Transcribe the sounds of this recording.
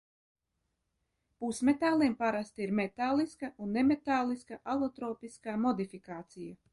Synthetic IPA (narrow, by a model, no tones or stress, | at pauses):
pusmet̪aːlˠiːmpaɾast̪iɾmet̪aːlˠiskɐʔunːemet̪aːlˠiskɐʔalˠɔt̪ɾoːpiskaːmɔd̪ifikaːt̪sija